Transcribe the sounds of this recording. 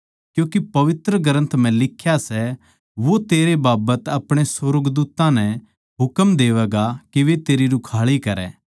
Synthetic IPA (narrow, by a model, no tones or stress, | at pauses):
kjũːkipɐʋɪt̪ɾəɡəɾə̃nt̪m̤ɛ̃lɪkʰːjasɛ | ʋot̪eːɾebaːbət̪ɐpɽ̃esoɾɡd̪uːt̪ːãnɛ | ɦʊkəmd̪eːʋɛːɡakiʋet̪eːɾiɾʊkʰaːɭikɐɾɛ̰ː